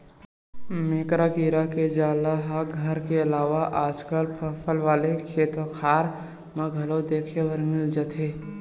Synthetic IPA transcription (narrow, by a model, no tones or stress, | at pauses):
meːkɾakiːɾaked͡ʒaːlaɦaɡʱəɾkeɐlaːʋaʔaːd͡ʒkəlpʰəpʰəlʋaːlekʰeːt̪wəxʰaːɾ | mɐɡʱəlod̪eːkʰewəɾmɪld͡ʒət̪ʰeː